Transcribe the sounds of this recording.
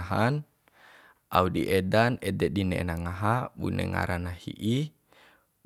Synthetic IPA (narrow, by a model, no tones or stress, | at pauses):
ɦan | ʔaudiʔɛdanɛdɛdinɛnaŋaɦabṵnɛ̰ŋa̰ɾanahḭʔi